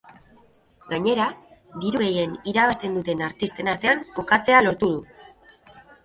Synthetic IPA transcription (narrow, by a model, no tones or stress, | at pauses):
ɡaɲe̞ɾad̪iɾuɣeje̞niɾaβast̪e̞nd̪ut̪e̞naɾt̪ist̪e̞naɾt̪e̞aŋko̞kat͡se̞alo̞ɾt̪uð̞u